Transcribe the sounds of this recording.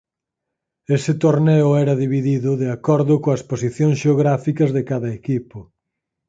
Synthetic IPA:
esɪt̪oɾnɛʊɛɾɐðiβiðiðʊðeakɔɾðʊkoɐsposiθjõŋsʃeoɣɾafikɐzðekaðɐekipʊ

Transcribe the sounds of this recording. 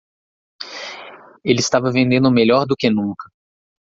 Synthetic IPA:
elɪist̪avɐvẽnd̪ẽnd̪ʊmeʎɔɾd̪ʊkɪnũkɐ

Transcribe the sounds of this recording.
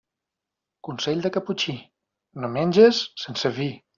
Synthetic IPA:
kunseʎʲd̪əkaput͡ʃi | nomenʲd͡ʒesːensəβi

